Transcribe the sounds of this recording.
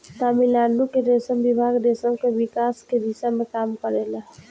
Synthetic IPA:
t̪aːmilaːnukeɾesəmbibʱaːɡd̪esəmkeʋɪkaːsked̪isamẽkaːmkəɾela

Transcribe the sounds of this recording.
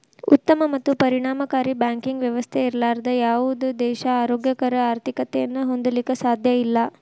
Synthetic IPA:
ut̪ːɐmɐmɐt̪ːupɐɾiɳaːmɐkaːɾibjaːŋkiŋɡʋjɐʋɐst̪ʰeiɾlaːɾɐd̪ɐjaːʋud̪ud̪ɛːʃɐaːɾoːɡjɐkɐɾɐaːɾt̪ʰikɐt̪ɛjɐnːɐɦo̞nd̪ɐlikɐsaːd̪ʱjɐilːɐ

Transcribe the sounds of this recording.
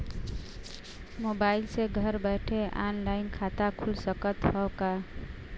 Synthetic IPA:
mobailseɡʱəɾbəʈʰeʔa̰nlaɪnkʰat̪akʰulsəkət̪ɦɔwka

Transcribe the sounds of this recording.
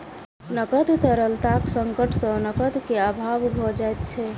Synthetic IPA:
nəkəd̪t̪əɾəlt̪aksəŋkəʈʰsə̃nəkəd̪keabʱabbʱɔd͡ʒajt̪t͡ʃʰɛ

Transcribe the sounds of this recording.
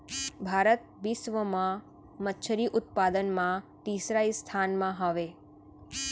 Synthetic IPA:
bʱaɾət̪̚ʋɪsʋəmã | mət̪ːʃʰəɾiʔʊt̪̚pad̪ənmãt̪isɾaist̪ʰanmãɦəʋe

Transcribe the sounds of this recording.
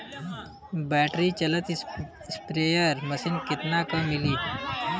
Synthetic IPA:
bɛːʈɾit͡ʃɐlət̪ | spɾeːjəɾmɐsinkɪt̪nakɐmːɪliː

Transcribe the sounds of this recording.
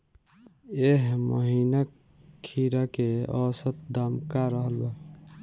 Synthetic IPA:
eɦməɦina | kʰːiɾakeɔsət̪̚d̪amkaɾəɦəlba

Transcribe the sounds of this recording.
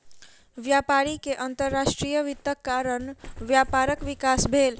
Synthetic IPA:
ʋjapaɾikeʔənt̪əɾːasʈɾijəʋit̪ːəkːaɾənʋjapaɾəkʋikasbʱel

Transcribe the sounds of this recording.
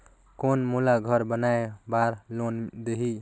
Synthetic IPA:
konmulaɡʱʌɾbənaebaɾlond̪eɦi

